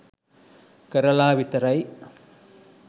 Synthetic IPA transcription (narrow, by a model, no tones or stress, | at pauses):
kɐɾɐlaːʋɪt̪ɐɾɐɪ